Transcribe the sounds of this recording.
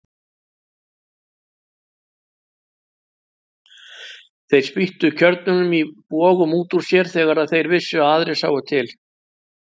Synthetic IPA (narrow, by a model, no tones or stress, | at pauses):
θejɾ̥spiht̪ʏcʰœɾt̪nʏnʏmipɔːɣʏmuːt̪uɾ̥sjɛɾ̥θɛːɣaɾaðθejɾvɪsːʏaaːðɾɪsaːwʏt̪ʰɪl